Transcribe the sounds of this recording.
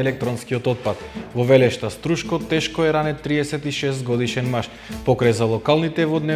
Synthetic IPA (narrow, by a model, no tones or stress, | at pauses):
ɛlɛk̚t̪ɾɔnskiɔt̪ɔt̪̚pat̪vɔvɛlɛʃt̪ast̪ɾuʃkɔt̪ɛʃkɔɛɾanɛt̪ɾiɛsɛt̪iʃɛst̪ɡɔd̪iʃɛnmaʃ | pɔkɾajzalˠɔkalˠnit̪ɛvɔd̪nɛ